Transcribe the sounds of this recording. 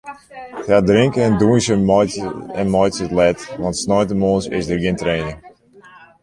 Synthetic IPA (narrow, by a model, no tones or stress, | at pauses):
tadrɪŋkəɛnduənsə | ɛnmɔjtsətlɛtʋɔntsnɔjtəmoːnsɪ̰sdərɡɪntreːnəŋ